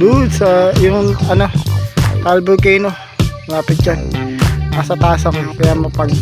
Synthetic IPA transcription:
d̪ud̪sɐjʊŋɐno̞t̪albʊkɛjno | mɐlaːpɪt̪̚d͡ʒanmasɐt̪aːsɐŋkɐjamɐpɐɡ

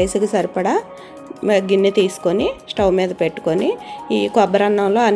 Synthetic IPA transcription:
jsukisɐɾipɐɽɐ | ɡinːit̪iːsu̥konisʈɐwmiːd̪ɐpe̞ʈːu̥koniiːkɔbɐɾɐnːɐmlo̞ːɐn

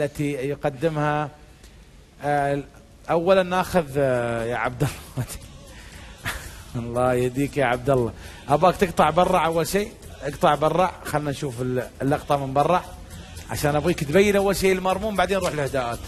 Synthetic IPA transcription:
alːat̪ijqad̪ːɪmha | ʔawːalanʔaːxʊðjaʕab̚d̪alːɑat̪i̥ | ɑlˤːɑːjhad̪iːkjaʕab̚d̪alːɑʔabaːkt̪ɨqt̪ˤɑʕbɑrˤːɑʕʔawːalʃiː | t̪ɪqt̪ˤɑʕbɑrˤːɑʕxalːnanʃuːfɪllːɑqt̪ˤɑmɪmbɑrˤːɑʕ | ʕa̰ʃaːnʔabɣiːkt̪bajːɪnʔawːalʃiːʔlmɑɾˤmuːmbaʕd̪eːnɾuːħəlhd̪aʔaːt̪

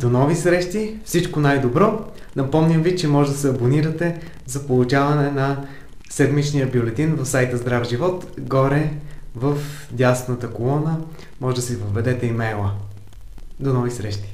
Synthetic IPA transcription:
d̪̥onɔvisɾɛʃt̪ifsit͡ʃkonajd̪obɾɔ | nɐpɔmnʲəmvit͡ʃɛmɔʒɛd̪ɐsɛɐboniɾɐt̪ɛ | zɐpolˠʊt͡ʃavɐnɛnɐ | sɛd̪mit͡ʃnijəbjolɛt̪invɐfsajt̪əzd̪ɾafʒivɔt̪ɡɔɾɛvəf | d̪ʲast̪nət̪əkolˠɔnə | mɔʒɛd̪ɐsɛvəvːɛd̪ɛt̪ɛimɛjlˠə | d̪onɔvisɾɛʃt̪i̥

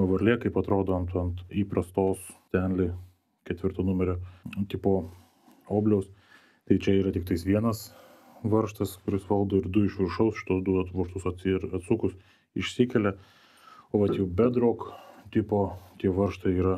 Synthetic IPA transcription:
ɐʋɐɾʲlʲeːkɐɪpɐt̪ɾoːd̪oːɐnt̪ːɐnt̪iːpɾɐst̪oːst̪ʲɛnʲlʲɪ | kʲɛt̪ʲʋʲɪɾt̪oːnʊmʲɛɾʲoːt̪ʲɪpoː | oːbʲlʲɛʊs | t̪ɐɪt͡ʃʲɛiːɾɐt̪ʲɪkt̪ɐɪsʋʲiɛnɐs | ʋɐɾʃt̪ɐskʊɾʲɪsʋɐlˠd̪oːɪɾd̪ʊɪʃʋʲɪɾʃɐʊsʃʲɪ̥t̪oːsd̪ʊʋoʃt̪ʊsɐt̪ɾɐt̪sukʊs | ɪʃʲsʲɪkʲɛlʲɛ | oːʋɐt̪jɛbʲɛd̪ɾoːkt̪ʲɪpoːt̪ʲiɛʋɐɾʃt̪ɐiːɾɐ

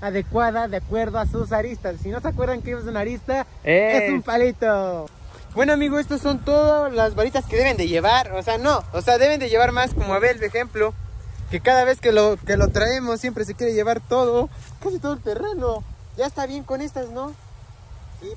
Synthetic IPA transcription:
aðe̞kwaðaðeakwe̞ɾðoasus̬aɾist̪asːino̞seakwe̞ɾðaŋkeiβas̬unaɾist̪a | esumpalit̪o | bwe̞noamiɣoe̞st̪oso̞nt̪o̞ðolazβalit̪askeðe̞βe̞nd̪eʝe̞βaɾoseano̞ːseaðe̞βe̞nd̪eʝe̞βaɾmaskomoaβelβexemploke̞kaðaβe̞skelokelot̪ɾae̞mosːjempɾes̬e̞kjeɾe̞ʝe̞βaɾt̪o̞ðokasit̪o̞ðelt̪e̞reno | ʝaest̪aβje̞ŋko̞ne̞st̪asno̞ | si

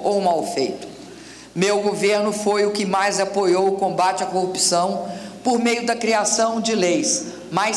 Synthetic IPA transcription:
owmawfejt̪ʊ̥ | mewɡoveɾnʊfojʊkɪmajzapojowʊkõbat͡ʃɪɐkohupi̥sɐ̃w̃poɾmejʊd̪ɐkɾiasɐ̃w̃d͡ʒɪlejs | maj

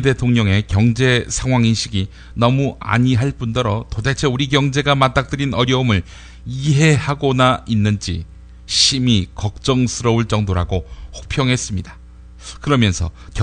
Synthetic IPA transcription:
de̞tʰoŋɲʌŋe̞kjʌŋd͡ʑe̞sʰaŋɦwaŋinɕʰiɡi | nʌmua̰ɲiɦaɭp͈undʌɾʌtodet͡ɕʰeuɾikjʌŋd͡ʑe̞ɡamat͈ak̚t͈ɯɾinʌɾjʌumɯɭ | iɦe̞haɡʌnainːɯnd͡ʑḭ | ɕʰimikʌk̚t͡ɕ͈ʌŋsʰɯɾʌuɭt͡ɕ͈ʌŋdoɾaɡohok̚pʰjʌŋɦe̞s͈ɯmɲida | kɯɾʌmjʌnsʰʌ̰k

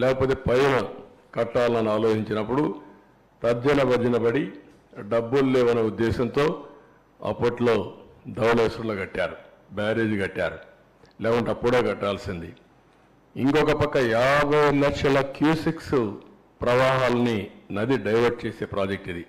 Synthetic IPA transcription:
lɛːkɐpoːt̪̬e̞ːpɐjnɐ | kɐʈːaːlɐnɐnuaːloːt͡ʃiɲt͡ʃinɐpːuɽu | t̪ɐɾd͡ʒɐnɐbɐɾd͡ʒɐnɐbɐɽi | ɖɐbːullɛːʋɐnɐud̪ːɛːsɐnt̪o̞ː | ɐ̰pːɐʈlo̞ːd̪ɐwleːsɾɐloːɡɐʈːaːɾu | baːɾeːd͡ʒuɡɐʈːaːɾu | lɛːkɐɳʈeɐpːuɽoːɡɐʈːaːlsind̪i | iŋkɔkɐpɐkːɐjaːbʱɐjlɐkʂɐlɐkjuːsiks | pɾɐʋaːɦaːlɐninɐd̪iɖɐjʋɐɾʈ̚t͡ʃe̞ːse̞ːpɾaːd͡ʒek̚ʈid̪i

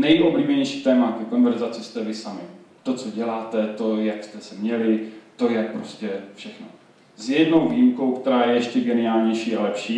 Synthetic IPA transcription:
nɛjʔo̞bliːbɛɲɛjʃi̥ːt̪ɛːmakɛko̞nvɛɾzat͡sɪst̪ɛvɪsamɪt̪o̞t͡so̞ɟɛlaːt̪ɛt̪o̞jakst̪ɛsɛmɲɛlɪt̪o̞jɛk̚pɾo̞scɛfʃɛxno̰ | zjɛdno̞wviːjimko̞wkt̪ɛɾaːjɛjɛʃcɛɡɛnɪaːlɲɛjʃiːalɛpʃiː

